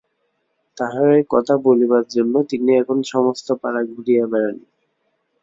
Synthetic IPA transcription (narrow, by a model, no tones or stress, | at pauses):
t̪aɦaekɔt̪ʰabolibaɾd͡ʑonːot̪iniɛkʰonʃɔmost̪opaɾaɡbɾijabɛɾani